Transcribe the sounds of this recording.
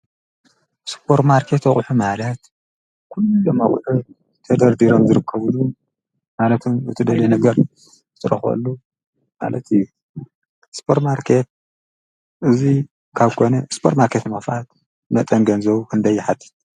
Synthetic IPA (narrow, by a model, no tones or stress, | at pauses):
spʰo̞ɾt̪maɾkʰe̞t̪ɐχʼħumalɐt̪ | kʰulːomaχʼħu | t̪ʰɐd̪ɐɾd̪iɾo̞mzɨɾɨkʰːɐβlu | malɐt̪ʰumɨt̪ʰɨd̪ɐlenɐɡɐɾ | zɨt̪ʰɨɾɐ̰xɐ̰lːu | ma̰lɐ̰t̪ijːu | spʰo̞ɾt̪maɾkʰe̞t̪̚ | ʔɨzi | kʰaβkʰo̞nɐspʰoɾt̪maɾkʰet̪mɐfʔat̪ | mɐt̪ʼɐnɡɐnzɐβukʰɨnd̪ɐjːɪħat̪ʰːi̥t̪̚